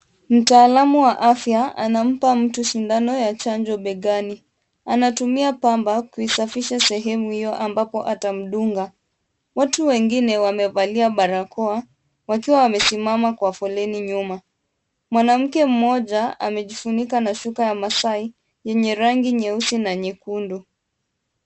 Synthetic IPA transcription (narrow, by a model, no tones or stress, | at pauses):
m̩taːlamuwaʔafjaa̰nam̩pam̩tuʃindanɔjat͡ʃaɲd͡ʒɔɓɛɠani | anatumiapambakuisafiʃasɛɦɛmuhijɔʔambapɔʔatam̩ɗuŋɡa | watuwɛŋɡinɛwamɛvaliaɓaɾakɔa | wakiwawamɛsimamakwafɔlɛniɲuma | mwanam̩kɛm̩mɔʄaa̰mɛʄifunikanaʃukajamasai | jɛɲɛɾaŋɡiɲɛusinaɲɛkundu